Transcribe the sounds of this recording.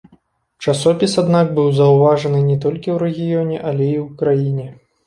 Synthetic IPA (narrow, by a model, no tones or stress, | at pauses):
t͡ʂasɔpʲisad̪nak̚bɨwzɐwvaʐɐnɨnʲɛt̪ɔlʲkʲiwɾɛɣʲijɔnʲɛʔalʲɛiwukɾajinʲɛ